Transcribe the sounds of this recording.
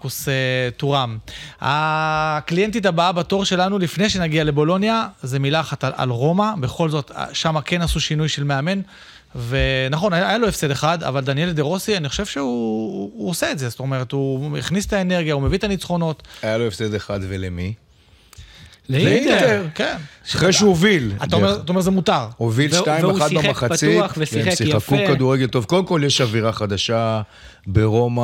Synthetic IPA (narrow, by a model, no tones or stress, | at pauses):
kusetuʁama̰klije̞nt̪̬it̬abaabato̞ʁʃe̞lanulifne̞jʃenaɡiale̞bo̞lo̞njaze̞milaχat̪ala̰lʁo̞mabeχo̞lzo̞t̪ʃamake̞nasuʃinujʃe̞lme̞ame̞n | ve̞naχo̞najajaloefsed̪eχada̰vald̪anje̞ld̪e̞ʁo̞sianiχo̞̥ʃe̞v̥ʃeuː | oseetzest̪o̞me̞ʁ̞e̞t̪uḭχnist̪aene̞ʁɡjaumevit̪anit͡sχo̞no̞t̪ajaloefsed̪eχad̪velemi | lleiekensiχʁejʃuovila̰t̪ameʁat̪aomezemut̪aʁovilʃtaimaad̪ibaaχaptt͡siaesisiakukad̪uʁeɡelt̪ovko̞lemko̞ljeʃaviʁaχad̪aʃa | beʁo̞ma